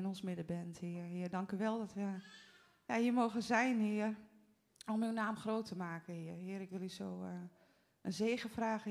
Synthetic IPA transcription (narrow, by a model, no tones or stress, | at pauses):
ɪnɔnsmɪdəbɛnthiəɦɪərdɑŋkyʋɛlˠdɔtʋə | jahiəmoːɣəzɛjnhiər | ɔmywnaːmxroːtʰəmaːkənhɪərɦɪəɾɪkʋɪlˠysoː | ənzeːɣəfraːɣə